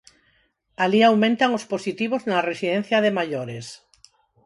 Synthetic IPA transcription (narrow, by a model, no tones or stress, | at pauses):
aliawmẽnt̪aŋosposit̪iβ̞oznaresiðen̟θjaðemaʎoɾes